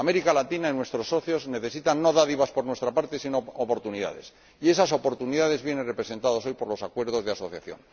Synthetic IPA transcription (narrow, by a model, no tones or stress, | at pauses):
me̞ɾikalat̪inainwe̞st̪ɾo̞sːo̞θjo̞zne̞θe̞sit̪anːo̞ðaðiβaspo̞ɾnwe̞st̪ɾapaɾt̪e̞sinoopo̞ɾt̪uniða̰ðe̞̰s | ie̞saso̞po̞ɾt̪uniðað̞e̞zβje̞ne̞nre̞pɾe̞se̞nt̪aðoso̞jpo̞ɾlo̞sakwe̞ɾð̞o̞zðeaso̞θja̰θjo̞̰n